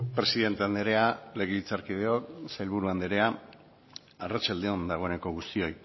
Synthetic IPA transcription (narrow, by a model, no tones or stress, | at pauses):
pɾe̞siðe̞nt̪eand̪eɾe̞ale̞ɣ̞elit͡saɾkið̞e̞o̞ksajlβuɾuand̪eɾe̞a | arat͡ʃald̪e̞o̞nd̪aɣ̞o̞e̞ne̞ko̞ɣ̞ust̪io̞j